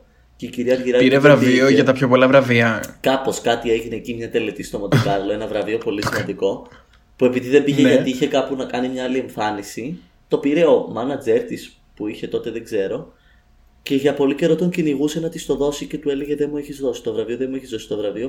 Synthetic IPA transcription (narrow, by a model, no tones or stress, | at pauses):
ceiciɾiɐɾʝiɾɐiɾevɾɐvioʝɐt̪ɐpçopo̞lɐvɾɐviɐkɐpo̞skɐt̪ie̞ʝineːcimɲɐt̪e̞le̞t̪ist̪omɐt̪okɐɾlo̞e̞nɐvɾɐvio̞po̞lisimɐnd̪iko̞ | pue̞piðiðe̞mbiʝeʝɐt̪iiçe̞kɐpunɐkɐnimɲɐɐlie̞ɱfɐnisi | t̪o̞piɾe̞omɐnɐd͡ze̞ɾt̪is | puiçe̞t̪o̞t̪e̞ðeɡze̞ɾo̞ | ce̞ʝɐpo̞lice̞ɾo̞t̪oɲciniɣuse̞nɐt̪ist̪o̞ðo̞sice̞t̪ue̞leɣeðe̞mueçizðo̞si̥t̪o̞vɾɐvio̞ðemueçizðo̞si̥t̪o̞vɾɐvio